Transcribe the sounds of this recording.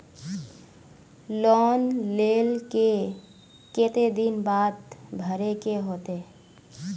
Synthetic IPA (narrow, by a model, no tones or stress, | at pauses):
lɔːnleːlke | ket̪ed̪inbaːd̪bʱəɾekeɦoːt̪e